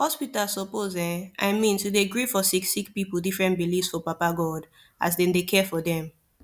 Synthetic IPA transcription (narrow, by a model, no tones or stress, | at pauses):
hɔspitalsɔpozɛ̃nʔa̰ɪmĩntudeɡɹifɔsiksik̚pipldifɹɛ̃ntbilifsfɔpapaɡɔd | a̰s̬dɛ̃ndekʰɛfɔdɛ̃m